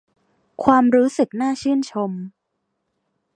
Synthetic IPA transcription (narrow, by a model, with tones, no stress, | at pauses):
kʰwaː˧mɾuː˦˥sɯ˨˩k̚naː˥˩t͡ɕʰɯː˥˩nt͡ɕʰo˧m